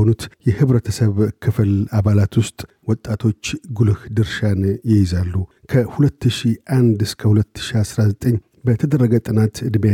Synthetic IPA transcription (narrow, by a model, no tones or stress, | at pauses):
onut̪jɛhɨβɾət̪ʰəsəβkʰɨflaβalat̪wʊst̪ʼ | wɔt̪ʼːat̪ʰo̞t͡ʃːɡulhd̪ɨɾʃanjɪjɪzalːu | kʰəhulət̪ʰːɨʃiʔand̪ɨskʰəhulət̪ːɨ̥ʃiasɾazət̪ʼəɲː | bət̪ʰəd̪ərːəɡət̪ʼɨnat̪ɨd̪mja